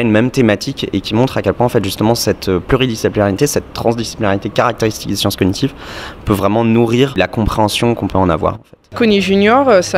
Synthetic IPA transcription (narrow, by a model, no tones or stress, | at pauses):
aynmɛmt̪emat̪ʰikekʲimɔ̃t̪χakʲɛlpwɛ̃ɑ̃fɛt̪ʒyst̪əmɑ̃sɛt̪ʰøplyʁid̪isiplinaʁit̪esɛt̪ːχɑ̃zd̪isi̥plinaʁit̪ekaʁak̚t̪eʁist̪ik̚d̪esjɑ̃skɔnit̪ivpøvʁɛmɑ̃nuʁiʁlakɔ̃pχeɑ̃sjɔ̃kɔ̃pøɑ̃na̰vwa̰ʁɑ̃fɛt̪kɔniʒynjɔʁøsa